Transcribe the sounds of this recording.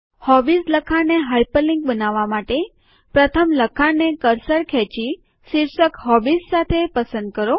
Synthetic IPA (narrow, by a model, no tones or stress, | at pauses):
hɔbisləkʰaneɦajpəlĩŋk̚bənaʋːamaʈe | pɾət̪ʰəmləkʰanekəɾsəɭkʰɛt͡ʃi | ʃiɾsəkɦɔbisːat̪ʰepəsə̃nd̪̚kəɾo